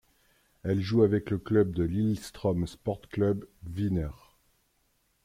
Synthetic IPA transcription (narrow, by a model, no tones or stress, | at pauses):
ɛlʒuavɛkləklœb̚d̪əlilst̪χɔmspɔʁt̪klœbvinœʁ